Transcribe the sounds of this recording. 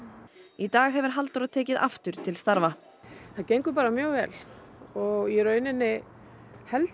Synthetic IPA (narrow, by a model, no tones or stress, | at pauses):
it̪aːɣɦɛvɪɾ̥ɦalt̪aɾaðt̪ʰɛːcɪða̰ft̪ʏɾ̥t̪ʰɪlst̪aɾva | θaðcejŋkʏɾpaːɾamjœːɣvɛ̰ːlɔɣɛɾœːɥnɪnːɪ | hɛl